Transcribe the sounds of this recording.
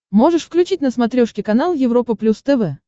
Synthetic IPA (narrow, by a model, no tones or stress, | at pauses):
mo̞ʐɨʂfklʲʉt͡ɕitʲnəsmɐt̪ɾʲoʂkʲɪkɐnalˠjɪvɾo̞pəplʲust̪ɛvɛ